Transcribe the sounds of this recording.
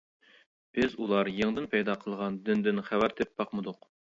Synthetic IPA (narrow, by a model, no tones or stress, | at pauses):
b̥ɪzulˠɑɾjəŋd̪ɨnpʰɛjd̪ɑqʰəlˠʁɑnd̪ɪnd̪ɪnχævæɾd̪ɪp̚bɑqməd̪ʊq